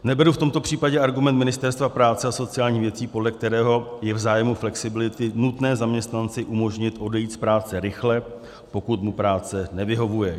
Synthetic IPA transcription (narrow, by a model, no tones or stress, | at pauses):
nɛbɛɾuft̪o̞mt̪o̞pr̥iːpaɟɛaɾɡumɛnt̪mɪnɪst̪ɛɾst̪vapɾaːt͡sɛaso̞t͡sɪaːlɲiːxvjɛt͡siːpodlɛk̚t̪ɛɾɛːɦo̞jɛvzaːjɛmuflɛksɪbɪlɪt̪ɪnut̪nɛːzamɲɛst̪nant͡sɪʔumo̞ʒɲɪt̪ʔo̞dɛjiːt̪spɾaːt͡sɛɾɪxlɛ | po̞kut̪mupɾaːt͡sɛnɛvɪɦo̞vujɛ